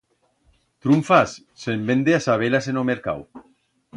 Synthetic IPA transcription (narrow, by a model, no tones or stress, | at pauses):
t̪ɾuɱfasːembend̪easaβ̞elasenomeɾka̰w